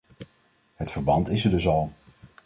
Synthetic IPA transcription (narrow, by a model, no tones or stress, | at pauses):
ɦətfəɹbɑntɪsəɹdɵsɑlˠ